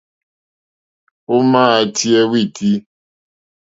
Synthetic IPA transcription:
o˦maː˦˨a˨tʰi˦ɛ˦wi˦˨tʰi˦

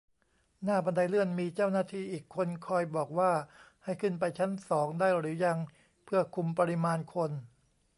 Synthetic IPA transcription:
naː˥˩ba˧nda˧jɾɯ˥˩ənmiː˧t͡ɕaː˥˩wnaː˥˩t̪ʰiː˥˩ʔiː˨˩kʰːo˧nkʰɔː˧jbɔː˨˩k̚waː˥˩ha˥˩jkʰɯ˥˩npa˧jt͡ɕʰa˦˥nsɔː˩˦ŋdaː˥˩jɾɯː˩˦ja˧ŋ | pʰɯ˥˩ɐkʰu˧mpa˧ɾi˦˧˥maː˧nkʰo˧n

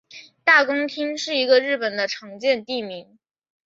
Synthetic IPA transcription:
t̪a˥˩kʊ˥ŋt̪ʰi˥ŋʂɻ̩˥˩i˧˥ɡə˧ɻɻ̩˥˩pə˨˩nd̪ə˦ʈ͡ʂʰɤ˧˥ŋt͡ɕjɛ˥˧nt̪i˥˩mi˧˥ŋ

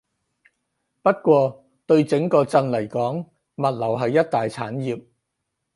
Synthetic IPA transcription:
pɐ˥t̚kʷɔː˧ | t̪ɵ˧ɥt͡sɪ˨˥ŋkɔː˧t͡sɐ˧ŋlɐ˨˩jkɔː˨˥ŋ | mɐ˨t̚lɐ˨˩wɦɐ˨jːɐ˥t̚t̪aː˨jt͡sʰaː˨˥njiː˨p̚

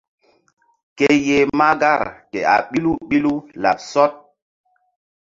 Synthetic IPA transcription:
ke˦je˨ma˦ɡa˦˨ɾkḛ˨a̰˨ɓi˦lu˦ɓi˦lu˦la̰˨p̚sɔ˦t̚

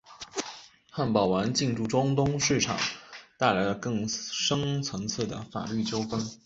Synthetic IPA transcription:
xa˥˩npɑ˨˩ʊwa˧˥nt͡ɕi˥˧ŋʈ͡ʂu˥˩ʈ͡ʂʊ˥ŋt̪ʊ˥ŋʂɻ̩˥˩ʈ͡ʂʰɑ̰˨˩˦ŋt̪a˥˩ɪla˧˥ɪlə˧kɤ˥˩ŋʂɤ˥ŋt͡sʰɤ˧˥ŋt͡sʰɤ˥˩d̪ə̰˩fa̰˨˩ly˥˩t͡ɕjo˥ʊfə˥n

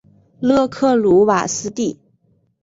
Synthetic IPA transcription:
lɤ˥˧kʰɤ˥˩lu˧˥wa̰˨˩sɹ̩˥t̪i˥˩

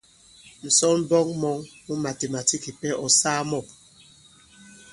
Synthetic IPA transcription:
n̩˨sɔ˦nm̩˦bɔ˦ŋmɔ˨˦ŋmu˦ma˨te˨ma˨ti˦ki˨pɛ˦ʔɔ˨saː˦mɔ˦˨p̚

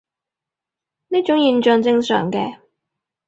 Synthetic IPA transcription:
ni˥t͡ʃʊ˨˥ŋjiː˨˧nt͡ʃœː˨ŋt͡sɪ˧ŋsœ̰ː˨˩ŋkɛː˧

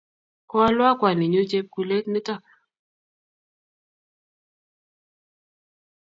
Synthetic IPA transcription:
kwa˦lwa˦kwa˨ni˨ɲo˦t͡ʃe˦p̚ku˨le˦tni˦tɔ˦˨k

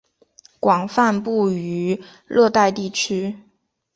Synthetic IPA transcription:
kwɑ˨˩ŋfa˥˧npu˥˩y˧˥ | lɤ˥˧t̪a˥˧ɪt̪i˥˩t͡ɕʰy˥

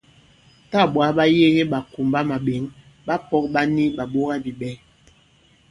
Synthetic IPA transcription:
ta˦˨ɓwa˨˦ɓa˦je˦ɲe˦ɓa˨ku˨mba˦ma˨ɓe˨˦ŋ | ɓa˦pɔ˦k̚ɓa˦ni˦ɓa˨ɓo˦ɣa˦bi˨ɓɛ˦

